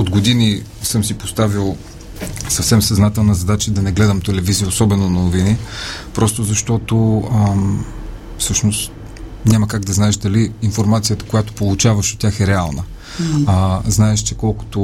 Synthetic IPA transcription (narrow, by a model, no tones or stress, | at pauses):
od̪ɡod̪ini | sɤmsipost̪avilˠ | sɐfsɛmsɐznat̪ɛlˠnəzɐd̪at͡ʃəd̪ɐnɛɡlɛd̪əmt̪ɛlɛvizijəosɔbɛnonɐnovinipɾʔɔst̪ozɐʃt̪ɔt̪oə | fsɤʃnost̪ | nʲaməkaɡd̪ɐznaɛʃd̪ɐliːnfoɾmat̪sijət̪ə̥kojat̪o̥polˠut͡ʃavəʃot̪ʲjaxɛɾɛalˠnə | znaɛʃt͡ʃɛkɔlˠko̥t̪o